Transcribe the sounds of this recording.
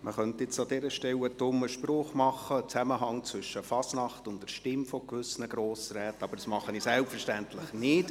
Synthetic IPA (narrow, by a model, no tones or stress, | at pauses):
məχœntɪt͡sɑd̥̪ɛɾəʃtɛwədʊməʃprɔːχmɑχːət͡sæməɦɑŋt͡sʋʏʃəfɑsnɑχtʊntdɛʃtɪmfɔkvʏsnəɡɾoːsɾɛːtɑb̥əɾdɑsmɑχəniːsɛlpfəʃtæntlɪχnɪt